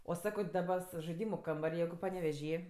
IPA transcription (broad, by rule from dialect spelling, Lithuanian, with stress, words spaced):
oː ˈsɑːkoː ˈdɑːbɐ s ʒɐɪˈdʲiːmʊ ˈkɐmbɐrʲ ˈjɛɪɡʊ pɐnʲɛʋʲɛˈʒʲiː